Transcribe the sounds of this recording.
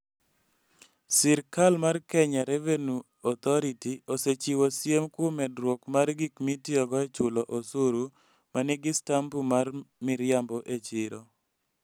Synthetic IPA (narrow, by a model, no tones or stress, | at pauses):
sɪɾkalmarkɛɲaɾɛvenu | ɔt̪ɔɾitioset͡ʃiwosjemkʊmɛdɾwokmarɡikmitiɔɡɔet͡ʃʊlɔʔosoɾu | manɪɡɪstambumarmɪɾjambɔʔet͡ʃɪɾo